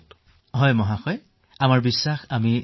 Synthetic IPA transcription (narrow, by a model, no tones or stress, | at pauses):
ɦɔjmɔɦaxɔj | amaɹbisːaxami